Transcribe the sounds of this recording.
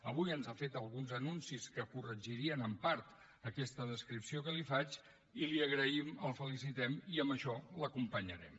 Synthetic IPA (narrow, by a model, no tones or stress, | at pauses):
əβujənzafet̪əlˠɣunzənunsiskəkurəʒiɾiənəmpaɾt̪ | əkɛst̪əðəskɾipsiokəlifat͡ʃ | iliəɣɾəiməlˠfəlisit̪ɛmiəmbəʃɔləkumpəɲəɾɛ̰m